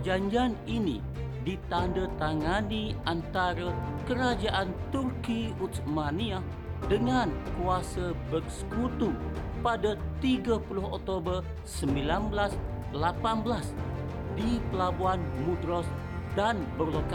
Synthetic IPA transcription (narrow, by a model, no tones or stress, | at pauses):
d͡ʒaɲd͡ʒianinḭ | dit̪andət̪aŋaniant̪aɾakəɾad͡ʒaʔant̪urkiut̪smania | dəŋankuasəbək̚skut̪upadat̪iɡapulʊhɔk̚t̪obər | səmbilanbəlas | lapanbəlas | dipəlabuanmudɾɔs | danbərloka